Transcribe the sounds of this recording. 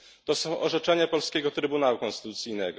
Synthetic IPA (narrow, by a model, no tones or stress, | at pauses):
t̪ɔsɔ̃w̃ʔɔʐɛt͡ʂɛɲapɔlskʲɛɡɔt̪ɾɘbunawukɔ̃nst̪ɘ̥t̪ut̪sʲijnɛɡɔ